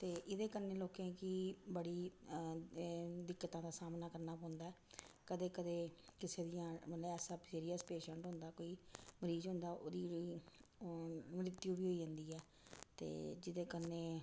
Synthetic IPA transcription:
t̪eːʔɪd̪eːkəneːloːkẽːkiːbəɽiː | d̪ɪkːət̪ãːd̪aːsaːmnaːkəɾnaːpɔ̃ːʊ̃nd̪aːɛːkəd̪eːkəd̪eːkɪseːd̪ɪjãːmət̪ləɛːsaːpsiːɾijəspeːʃə̃ɳʈɦʊ̃nd̪aːkoːiːməɾiːd͡ʒɦʊ̃nd̪aːʔoːd̪iː | məɾɪd̪jũːbiːɦoːiːd͡ʒə̃nd̪iːɛː | t̪ḛːd͡ʒɪd̪eːkəneː

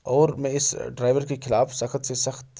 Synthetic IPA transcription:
ɔːɾmẽɪsɖɾaːɪʋəɾkexʰɪlaːfsɐxt̪sesɐxt̪

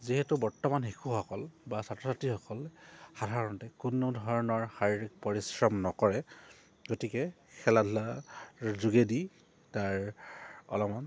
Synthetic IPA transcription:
ziɦetubɔɹtɔmanxikʰuxɔkɔlbasatɹɔsatixɔkɔlxadʱaɹɔntɛkunudʱɔɹɔnɔɹxaɹiɹik̚pɔɹisɹɔmnɔkɔɹɛ | ɡotikɛ | xʰɛladʱla | zuɡedi | taɹ | ɔ̰lɔman

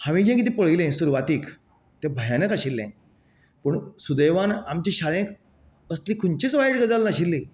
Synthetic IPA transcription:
haʋĩd͡ʑẽk̬it̪̬ĩpəɭilẽsuɾuʋat̪iːk | t̪ebʱəjanəkaɕilːɛ̃ | pəɳsud̪eʋanamt͡ɕiɕalẽk | əslikʰunt͡ɕit͡sʋajʈɡəd͡zalnaɕilːi

